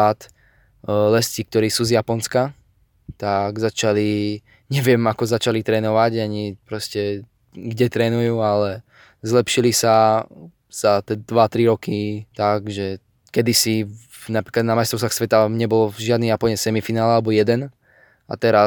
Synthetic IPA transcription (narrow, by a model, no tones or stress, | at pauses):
at̪ | lɛscik̚t̪ɔɾiːsuːzjapɔnska | t̪aɡzat͡ʃali | ɲɛʋɪɛmakɔzat͡ʃalit̪ɾɛːnɔʋaɟaɲipɾɔscɛ | ɡɟɛt̪ɾɛːnujuːalɛ | zlɛpʃilisa | z̥at̪ɛd̪ʋat̪ɾiɾɔkit̪aɡʒɛ | kɛd̪isi | napɾiklad̪namaɪst̪ɔʊsaxsʋɛt̪aɲɛbɔlɔvʒɪad̪nijapɔɲɛsɛmifinaːlɛalɛbɔjɛd̪ɛn | a̰t̪ɛɾa